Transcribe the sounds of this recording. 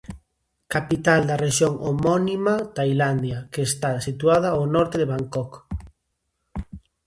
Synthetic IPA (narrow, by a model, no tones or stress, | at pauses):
kapit̪ald̪areʃjoŋʔomɔnimat̪ajland̪jakeːst̪asit̪wað̞aawnɔɾt̪eðeβaŋkɔk